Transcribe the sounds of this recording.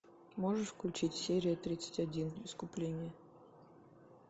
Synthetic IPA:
moʐɨʂfklʲʊt͡ɕitʲsʲeɾʲɪjət̪ɾʲit̪sə̥tʲɐdʲinɪskʊplʲenʲɪjə

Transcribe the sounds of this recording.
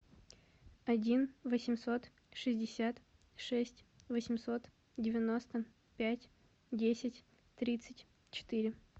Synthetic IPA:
ɐdʲinvəsʲɪmʲso̞t̪ | ʂɨzʲdʲɪsʲat̪ | ʂɛsʲtʲvəsʲɪmʲso̞t̪ | dʲɪvʲɪno̞st̪ə | pʲætʲ | dʲesʲɪtʲ | t̪ɾʲit̪sɨtʲ | t͡ɕɪ̥t̪ɨɾʲɪ

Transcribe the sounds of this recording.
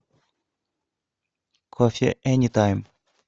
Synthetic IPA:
kʰɔfə̰ʔɛnit̪ʰãɪ̃m

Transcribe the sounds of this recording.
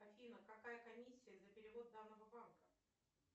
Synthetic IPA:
ɐfʲinəkɐkajəkɐmʲisʲːɪjəzəpʲɪɾʲɪvo̞d̪̚d̪anːəvəbankə

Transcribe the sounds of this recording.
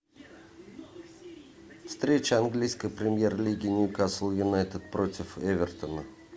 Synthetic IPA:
fst̪ɾʲet͡ɕəanɡlʲijskəjpɾʲɪmʲje̞rlʲiɡʲɪnʲʊkaslˠjʊnajt̪ʲɪt̪̚pɾot̪ʲɪfevʲɪrt̪ənə

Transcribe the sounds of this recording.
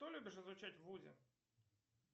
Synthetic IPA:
t̪ɔlʲubʲiʃɐzʋʊt͡ʃatʲʋuzʲɐ̰

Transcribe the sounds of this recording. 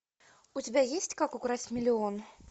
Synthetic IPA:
ʊtʲɪbʲajesʲtʲkakʊɡɾatʲmʲɪlʲɪon

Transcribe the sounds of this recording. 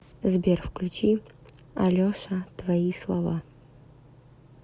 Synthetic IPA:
zbʲerfklʲʉt͡ɕi | ɐlʲoʂɐt̪vɐislˠɐva

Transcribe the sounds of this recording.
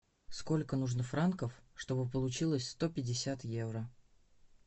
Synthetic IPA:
sko̞lʲkənuʐnəfɾankəfʂt̪o̞bɨp̬əlˠʊt͡ɕilˠəsʲst̪o̞pʲɪdʲɪsʲat̪jevɾə

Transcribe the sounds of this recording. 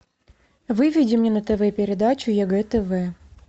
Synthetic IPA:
vɨvʲɪdʲɪmnʲenət̪ɛvɛpʲɪɾʲɪd̪at͡ɕʊjaɡɛt̪ɛvɛ

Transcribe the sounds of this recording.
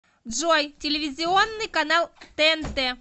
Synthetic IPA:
dʐojtʲɪlʲɪvʲɪzʲɪonːɨjkɐnalˠt̪ɛɛnt̪ɛ

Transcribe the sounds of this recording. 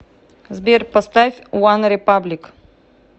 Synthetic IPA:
zbʲerpɐst̪afʲwanɾʲɪpablʲɪk

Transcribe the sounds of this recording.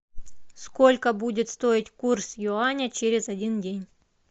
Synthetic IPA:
skolʲkəbudʲɪt̪st̪oɪtʲkursjʊanʲət͡ɕeɾʲɪzɐdʲindʲenʲ

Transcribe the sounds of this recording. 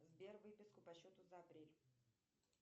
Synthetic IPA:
zbʲervɨpʲɪskʊpɐɕot̪ʊzəɐɐpɾʲelʲ

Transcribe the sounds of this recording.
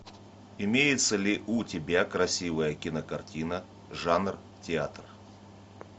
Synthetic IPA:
ɪmʲejɪt̪səlʲɪʔʊtʲɪbʲakɾɐsʲivəjəkʲɪnəkɐrtʲinə | ʐanr | tʲɪat̪r

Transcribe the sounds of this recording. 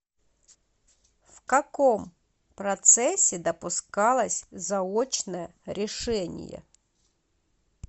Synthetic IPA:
fkɐkom | pɾɐt̪sɛsʲɪd̪ɐpʊskɑlˠɐsʲzɐot͡ɕnəjəɾʲɪʂɛnʲɪ̰jɛ̰

